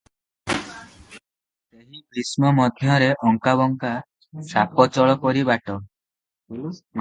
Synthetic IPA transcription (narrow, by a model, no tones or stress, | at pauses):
seɦikɾismɔmɔd̪ʱjɔɾeʔɔŋkaβɔŋka | sapɔt͡ʃɔɭɔkɔɾibaʈɔ | m